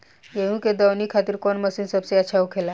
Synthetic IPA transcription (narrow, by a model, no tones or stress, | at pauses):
jeʋũked̪əwniːkʰat̪iːɾkoɳməsiːnsəbseət͡ɕʰaukʰela